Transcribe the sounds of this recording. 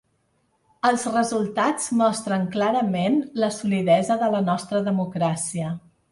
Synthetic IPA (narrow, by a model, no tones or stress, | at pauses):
əlˠzrəzulˠt̪ad͡zmɔst̪ɾəŋklaɾəmenləsuliðɛzəðələnɔst̪ɾəðəmukɾasiə